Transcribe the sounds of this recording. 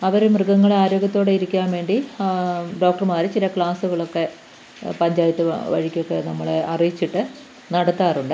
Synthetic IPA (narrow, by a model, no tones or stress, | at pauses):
ɐʋɐɾemrɨɡɐŋːɐɭaːɾo̞ːɡʲjɐt̪ːo̞ːɽeiɾikʲːaːnʋe̞ːɳɖi | ɖo̞ːk̚ʈɐrmaːɾɨt͡ɕilɐkɭaːsuɣɐɭo̞kːe̞ | pɐɲd͡ʑaːjɐt̪ːɨʋɐ̰ɻikʲːo̞kːe̞nɐmːɐɭeɐrijit͡ɕːiʈːɨ | nɐɽɐt̪ːaːruɳɖɨ